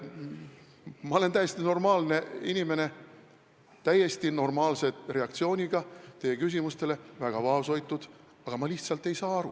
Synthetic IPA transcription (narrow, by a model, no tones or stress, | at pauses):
mɑole̞nt̪æjest̪ino̞rmɑːlne̞inime̞ne̞ | t̪æje̞st̪ino̞rmɑːlse̞re̞ɑkt̪sio̞ːnʲiɡ̥ɑt̪e̞je̞kys̬imust̪e̞le̞væɡ̥ɑvɑːso̞jt̪ːˑud̪̥ | ɑɡ̥ɑmɑliht̪sɑlt̪ːe̞jsɑːɑɾṵ